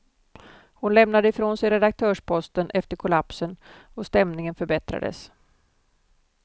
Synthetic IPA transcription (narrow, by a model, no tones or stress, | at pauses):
hʊnlɛmnad̪əɪfɾoːnsɛjɾɛd̪ak̚t̪ʰœːʂpʰɔst̪ənʔɛft̪əɾkʰʊlapsən | ɔst̪ɛmnɪŋənfœɾbɛt̪ɾa̰d̪ə̰s